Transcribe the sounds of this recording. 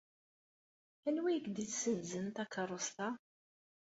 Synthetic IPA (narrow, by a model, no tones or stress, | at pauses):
ænwijəkd̪iθsənzənt̪ɑkərˤːost̪ɑ